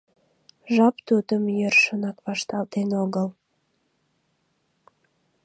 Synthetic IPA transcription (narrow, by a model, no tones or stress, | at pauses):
ʒɑpt̪ud̪əmjørʃənɑkβɑʃt̪ɑlt̪enoɣəl